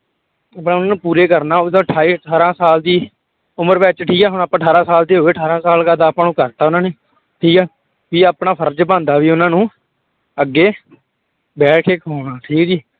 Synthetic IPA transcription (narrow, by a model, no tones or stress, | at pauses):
apnaːʊnãːnũːpuːɾeːkəɾnaːod̪õəʈʰːaːiːəʈʰaːɾãːsaːld̪iː | ʊməɾbɛːt͡ʃʈʰiːkɛːɦʊɳ̃apəʈʰaːɾãːsaːld̪eːɦoːeːəʈʰaːɾãːsaːlkaːd̪aːpãːnũːkəɾt̪aːʊnãːneː | ʈʰiːkɛː | ʋiːaːpnaːpʰəɾd͡ʒbãːnd̪aːʋiːʊnãːnũː | əɡːeː | bɛːʈʰkʰeːkɦoːnaːʈʰiːkd͡ʒiː